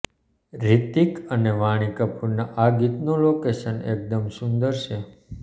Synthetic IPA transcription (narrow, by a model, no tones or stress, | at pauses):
ɾit̪ikəneʋaɽ̃ikəpʰuɾnaʔaɡit̪nolokeʃənḛk̚d̪əmsũnd̪əɾʃe